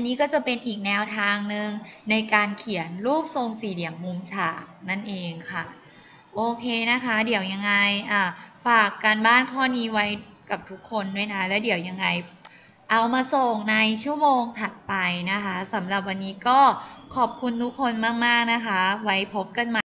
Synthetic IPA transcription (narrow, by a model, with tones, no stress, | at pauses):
ʔʔa˧nːiː˦˥kɔː˥˩t͡ɕa˨˩pe˧nʔiː˨˩k̚nɛː˧wt̪ʰaː˧ŋnɯ˧ŋna˧jkaː˧nkʰi˨˩˦ənɾuː˥˩p̚so˧ŋsiː˨˩di˨˩˦əmːu˧mt͡ɕʰaː˨˩k̚na˥˩nʔeː˧ŋkʰa˥˩ | ʔoː˧kʰeː˧na˦˥kʰa˦˥di˨˩˦əwja˧ŋːa˧jʔaː˨˩faː˨˩kːa˧nbaː˥˩nkʰɔː˥˩niː˧˥wa˦˥j | ka˨˩p̚t̪ʰu˦˥kʰːo˧ndu˥˩əjna˦˥lɛː˦˥wdi˨˩˦əwja˧ŋːa˧j | ʔa˧wmaː˧so˨˩ŋna˧jt͡ɕʰu˥˩əmoː˧ŋt̪ʰa˨˩t̪̚pa˧jna˦˥kʰa˦˥sa˩˦mla˨˩p̚wa˧nːiː˦˥kɔː˥˩kʰɔː˨˩p̚kʰu˧nt̪ʰu˦˥kʰːo˧nmaː˥˩k̚maː˥˩k̚na˦˥kʰa˦˥wa˦˥jpʰo˦˥p̚ka˧nmaː˧